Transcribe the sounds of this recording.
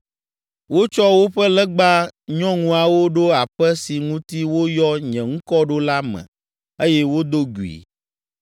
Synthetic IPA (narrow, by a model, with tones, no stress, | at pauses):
wo˦t͡ʃɔ˦wo˦ɸɛ˦lɛ˦ɡ͡ba˦ɲɔ̃˦ŋũ˦a˨wo˦ɖo˦a˨ɸɛ˦si˨ŋũ˦t̪i˦wo˦jɔ˦ɲɛ̃˨ŋ̩̃˦kɔ˦ɖo˦la˦mɛ̰̃˨ | e˦jɛ˦wo˦d̪o˦ɡu˨ḭ˨